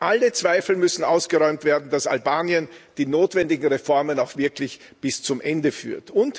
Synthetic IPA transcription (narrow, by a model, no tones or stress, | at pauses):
ʔalət͡sv̥aɪfl̩mʏsn̩aʊsɡ̥əʁɔʏmtv̥eːɐdn̩dasa̰lbaːniənd̥iːnoːtv̥ɛndɪɡŋ̩ʁefɔɐmənaʊxv̥ɪɐkʰlɪç | b̥ɪst͡sʊmʔɛndəfy̰ːɐtʊnt